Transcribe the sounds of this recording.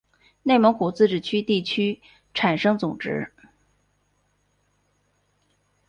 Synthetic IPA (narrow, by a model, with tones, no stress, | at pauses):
ne˥˩ɪmɤ˧˥ŋku˨˩t͡sɹ̩˥˧ʈ͡ʂɻ̩˨˩t͡ɕʰy˥t̪i˥˩t͡ɕʰy˥ | ʈ͡ʂʰa˨˩nʂɤ˥ŋt͡sʊ˨˩ŋʈ͡ʂɻ̩˧˥